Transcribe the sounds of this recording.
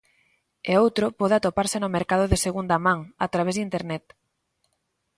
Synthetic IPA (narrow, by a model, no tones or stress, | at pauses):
eowt̪ɾopɔðeat̪opaɾsɪnomeɾkaðoðɪseɣund̪amãŋat̪ɾaβezd̪int̪eɾnɛt̪